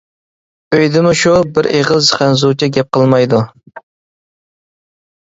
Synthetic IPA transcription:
øjd̪ɪmuʃubɪɾʔeʁəlzχænzut͡ʃʰɛɡʲɛp̚qəlˠmɑjd̪u

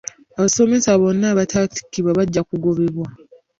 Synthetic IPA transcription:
aβaso̞me̞saβo̞nːaːβatʰati̥kːiβwaβaɟːakuɡo̞βeβwa

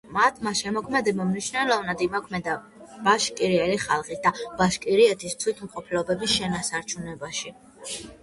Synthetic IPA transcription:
mat̪ʰmaʃɛmɔkʰmɛd̪ɛbamnit͡ʃʰnɛlˠɔvnad̪imɔkʰmɛd̪a | b̥aʃkʼiɾiɛliχalˠχisd̪̥ab̥aʃkʼiɾiɛt̪ʰist̪ʰwit̪ʰmqʼɔpʰlɔbɛbisʃɛnasaɾt͡ʃʰunɛbaʃi

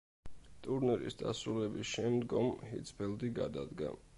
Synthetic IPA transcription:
t̪ʼuɾnɛɾḭsd̪a̰sɾulɛbisʃɛmd̪ɡɔmhḭd̪sʰbɛld̪iɡad̪ad̪ɡa̰

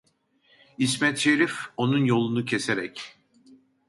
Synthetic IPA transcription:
ismɛt̪ʃeɾifo̞nunjo̞lˠunucʰe̞seɾɛc

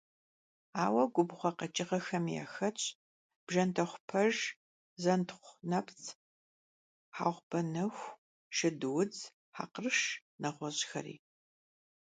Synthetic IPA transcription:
aːwɐɡʷʊbχʷɐqɐt͡ʃʼɪʁɐxɐmja̰xɐt͡ʃʼ | b̥ʒɐntʰɐχʷʊpʰɐʒ | zɐntʰχʷnɐpt͡sʰ | ħa̰ːʁʷbɐnɨxʷ | ʃɨdɨwʊd͡z | ħa̰ːqrɨʂnɐʁʷɔʑxɐ̰rḭː

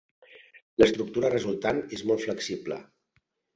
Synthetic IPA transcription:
ləst̪ɾuk̚t̪uɾərəzulˠt̪anezmɔlˠt̪fləksiblə̰

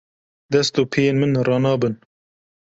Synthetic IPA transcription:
d̪ɛst̪oːpʰejeːnmɨnrɑːnɑːbɨn

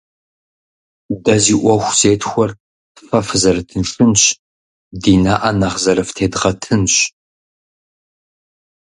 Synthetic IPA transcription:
dɐziːʔʷɔxʷz̥eːtʰxʷɔr | fɐfzɐrɨtʰɨnʂʼɨnɕ | diːnaːʔɐnɐʁzɐɾɐftʰeːdʁɐtʰɨnɕ

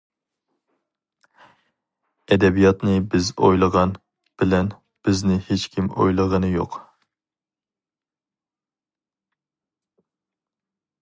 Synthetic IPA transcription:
ɛd̪ɛbijɑt̪nɨbɪzo̰jlˠəʁɑn | b̥ɪlɛn | b̥ɪznɪhet͡ʃkʲʰimo̰jlˠəʁənɨjo̰q

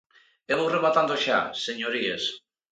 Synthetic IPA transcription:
eβowreβat̪and̪oʃa̰seɲoɾies

